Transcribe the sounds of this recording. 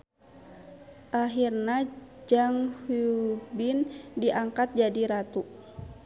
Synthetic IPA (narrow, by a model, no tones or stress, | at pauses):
ʔaɦirnad͡ʒaŋhubindiʔaŋkat̪̚d͡ʒadiɾat̪u